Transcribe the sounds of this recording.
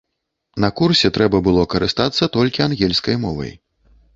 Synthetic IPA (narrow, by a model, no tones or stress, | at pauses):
nɐkursʲɛt̪ɾɛbɐbɨlˠɔkɐɾɨst̪at̪sːɐt̪ɔlʲkʲianɣʲɛlʲskɐjmɔvɐ̰j